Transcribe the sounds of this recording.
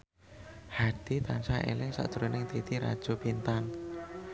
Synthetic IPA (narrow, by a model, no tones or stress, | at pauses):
had̪̥it̪ansaʔḛlɪŋsa̰ʔd̥ʒ̥ɾonɪŋt̪it̪iɾa̰d̥ʒ̥o̤pint̪an